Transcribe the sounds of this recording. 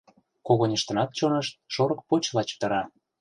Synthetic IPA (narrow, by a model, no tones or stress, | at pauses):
koɣonʲəʃt̪ə̆nɑt̪̚t͡ɕonɤ̆ʃt̪̚ʃoɾɤ̆k̚pot͡ɕlɑt͡ɕt̪ə̆ɾɑ